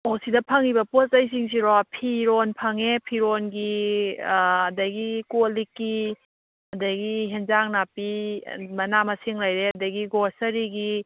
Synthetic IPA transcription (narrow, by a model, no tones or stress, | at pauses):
osidɐpʰɐŋibɐpostɐjs̬iŋs̬iɾɔpʰiɾɔnpʰɐŋepʰiɾonɡi | dɐɡikolikːi | ɐdɐɡiɦenzaŋnapimɐnamɐsiŋlajɾeɐdɐɡiɡɔɾsɐɾiɡi